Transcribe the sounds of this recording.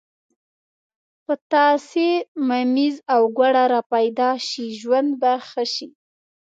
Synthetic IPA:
pət̪ɑsemamizawɡwaɽaɾɑpajd̪ɑʃiʒwand̪baxəʃi

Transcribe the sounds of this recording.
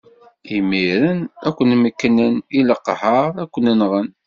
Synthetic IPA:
imːiɾənækʷːənməkːnəniləqːhəɾˤækʷːənənʁən

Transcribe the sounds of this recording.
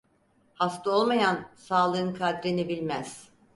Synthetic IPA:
hast̪ɯo̞lˠmajansaːlˠɯɯnkʰad̪ɾinibilʲmæz̥

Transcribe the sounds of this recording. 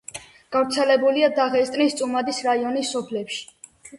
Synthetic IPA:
ɡ̥avɾt̪sʰɛlɛbuliad̪aʁɛst̪ʼnist̪sʼumad̪isɾaiɔnisːɔpʰlɛpʃi̥

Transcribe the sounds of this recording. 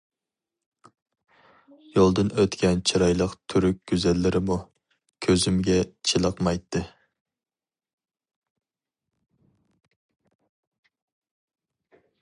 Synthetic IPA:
jolˠd̪ɨnøt̪kʲɛnt͡ʃʰiɾɑjlˠəqt̪ʰyɾyk̚ʲɡ̥ʲyzɛlːɪɾʔɪmu | kʲʰøzymɡʲɛt͡ʃʰilˠəqmɑjt̪ʰːɨ

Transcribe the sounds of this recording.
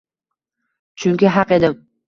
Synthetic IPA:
t͡ʃʰʊŋʲkʲɪɦɑqe̞d̪ɪm

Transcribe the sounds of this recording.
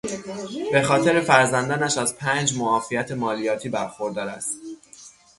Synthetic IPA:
b̥e̞xɒːt̪ʰe̞ɾe̞fæɾzænd̪ɒːnæʃæzpʰæːnd͡ʒmoɒːfijæt̪ʰe̞mɒːlijɒːt̪ʰiːbæɾxo̞ɾd̪ɒːɾæ̰st̪

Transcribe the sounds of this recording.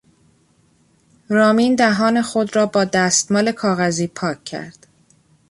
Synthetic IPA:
ɾɒːmiːnd̪æɦɒːne̞xod̪ɾɒːbɒːd̪æːst̪mɒːle̞kʰɒːɣæziːpʰɒːcʰːæ̰ɾd̪̥

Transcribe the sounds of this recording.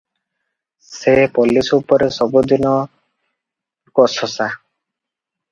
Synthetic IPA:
sepɔlisupɔɾesɔbud̪inɔ | kɔsɔsa

